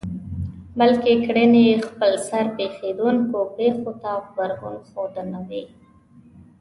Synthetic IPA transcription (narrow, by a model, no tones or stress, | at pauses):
bəlkekɽənejexpəlsaɾpexed̪unkopexot̪abəɾɣunxod̪ənawi